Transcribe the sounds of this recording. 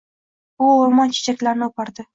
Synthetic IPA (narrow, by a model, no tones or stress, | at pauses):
ʊomɒnt͡ʃʰe̥t͡ʃʰakʲlaɾnɪopʰaɾd̪ɪ